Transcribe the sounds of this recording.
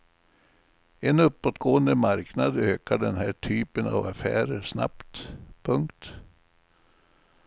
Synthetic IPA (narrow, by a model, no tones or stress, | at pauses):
ɛnɵpːɔt̪ɡoːənd̪əmaɾknad̪øːkaɖɛnɦæːʈʰyːpəna̰vafæ̰ːɾəʂna̰pt̪pʰɵŋkt̪